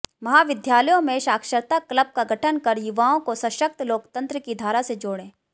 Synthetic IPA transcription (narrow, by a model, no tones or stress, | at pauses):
mɐɦaːʋɪd̪jaːləjõmẽʃaːkʃəɾt̪akləb̚kaɡʱɐʈʰənkɐɾjʊʋaːõkosɐ̃ʃək̚t̪loːkt̪ə̃nt̪ɾəkid̪ʱaːɾased͡ʒoːɽẽː